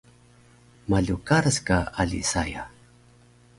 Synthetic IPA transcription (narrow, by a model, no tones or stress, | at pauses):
maɮukaɾəskaalḭsaja